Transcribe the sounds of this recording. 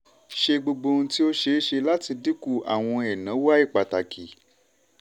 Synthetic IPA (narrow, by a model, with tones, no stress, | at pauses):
ʃe˧ɡ͡bo˧ɡ͡bo˧n̩ũ˧ti˦o˦ʃe˧˦ʃe˧la˦ti˧di˦ku˦˨a̰˨w̃ɔ̃˧ɛ˨nã˨˦wa˦i˦˨k͡pa˨ta˨kʰi˨